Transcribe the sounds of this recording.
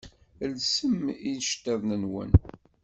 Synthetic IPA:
lsəminʃt̪ːæðnənwə̰n

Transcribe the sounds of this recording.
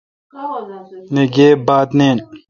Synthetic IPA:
neɡeːbaːt̪neːn

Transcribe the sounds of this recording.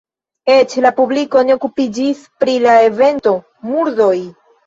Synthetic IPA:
e̞t͡ʃlapubliko̞neo̞kupid͡ʒispɾilae̞ve̞nto̞ | muɾdo̞j

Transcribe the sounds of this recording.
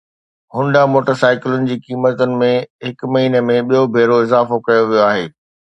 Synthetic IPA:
ɦʊ̃nɖamoːʈəɾsaːɪkɪlʊnɪ̆d͡ʑiːkiːmət̪ʊnɪ̆mẽɦɪkmɐɦiːnemẽɓijobʱeːɾoɪzaːfokɐjoʋijoaːɦeː

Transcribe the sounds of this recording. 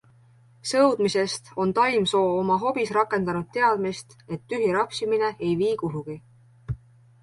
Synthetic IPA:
sɤwd̪̥mise̞st̪o̞nt̪ɑjmso̞ːomɑɦo̞b̥isrɑkːˑe̞nd̪̥ɑnud̪̥̚t̪ːe̞ɑd̪̥mist̪e̞t̪ːyɦiɾɑpsimine̞ejviːkuɦuɡ̥i

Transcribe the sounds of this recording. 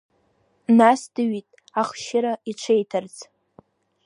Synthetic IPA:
nasdɨɥitʼ | aχʃɪɾait͡ʃʷʰejtʰart͡sʰʼ

